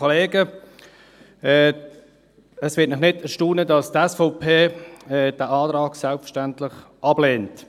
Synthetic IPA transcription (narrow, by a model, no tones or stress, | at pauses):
ɔleːɡə | ɛː | əsʋɪːtnɪχnɪdɛʃtuːnədɑstɛsfɔʊpʰeːɛːd̥æːʔɑːtɾɑːɡ̥sɛlpfəʃtæntlɪχ | ʔɑbleːnt